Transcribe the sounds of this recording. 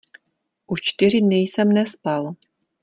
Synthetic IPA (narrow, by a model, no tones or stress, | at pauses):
ʔut͡ʃt̪ɪr̝ɪdnɪjsɛmnɛspal